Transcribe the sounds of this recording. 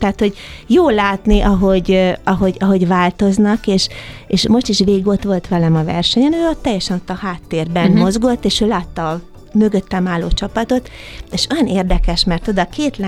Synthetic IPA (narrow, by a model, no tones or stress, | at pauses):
t̪ɛːt̪ho̞ɟjoːlaːt̪niʔɒɦo̞ɟɒɦo̞ɟɒɦo̞ɟvaːlt̪o̞znɒkeːʃeːʃmo̞ʃt̪iʃʋeːiɡo̞t̪ʋo̞lt̪ʋɛlɛmɒvɛ̰rʃɛɲɛnøːot̪ːɛjːɛʃɛno̞t̪ːɒhaːt̪ːeːrbɛnmo̞zɡo̞t̪ːeːʃøːlaːt̪ːɒː | mø̞ɡø̞t̪ːɛmaːlːoːt͡ʃɒpɒt̪o̞t̪eːʃojɒneːrd̪ɛkɛʃmɛrt̪o̞d̪ɒkeːt̪l